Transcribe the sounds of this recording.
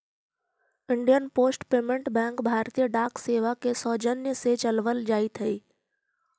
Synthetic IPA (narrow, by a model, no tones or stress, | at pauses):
ɪɳɖijənpoːsʈpeːmẽɳʈbɛ̃ːŋkbʱaːɾt̪ijəɖaːkseːʋakesɔːd͡ʒənjəset͡ʃəlʋəld͡ʒaːit̪ʰəiː